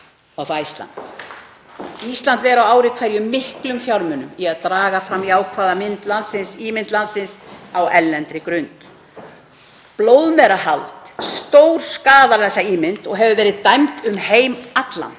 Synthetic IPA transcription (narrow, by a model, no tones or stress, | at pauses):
awfaist̪la̰n̥t̪ | ist̪lant̪vɛɾawaːwɾɪkʰvɛɾjʏmːɪhklʏmfjawɾmʏnʏmiaðt̪ɾaːɣafɾamːiaːwkʰvaːðamɪnt̪lansɪnsiːmɪnt̪lansɪnsawɛlːɛnt̪ɾɪkɾʏnt̪ | plowðmɛɾaɦalt̪st̪owɾ̥skaːðaðɛsːaiːmɪnt̪ɔɣɦɛvʏvɛːɾɪðt̪ajmt̪ʏmheːjmat̪la̰n